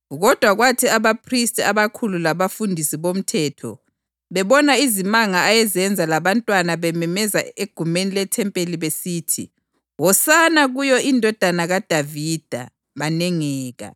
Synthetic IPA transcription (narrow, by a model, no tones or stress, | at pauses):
ɣɔd̥ʱwaɣwatʰiaβapʰristʼiaβakʰululaβafundʱisiβom̩tʰɛtʰɔ̰ | βɛβɔnaizimaŋaajɛzɛnd͡zʱalaβantʼwanaβɛmɛmɛza̰eɡ̥ʱumenilɛtʰɛmpʼeliβesiːtʰḭ | wɔsanaɣujɔʔindʱɔd̥ʱanaɣad̥ʱavid̥ʱa̰ | βanɛŋɛːɣa̰